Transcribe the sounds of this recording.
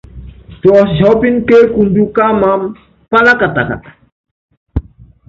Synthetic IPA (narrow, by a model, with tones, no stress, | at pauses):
tɔ˨sd͡ʒɔ˦pi˦nke˦ku˨ndu˦ka˦mam | pa˦la˦ka˨t̪aka̰˨t̪ḁ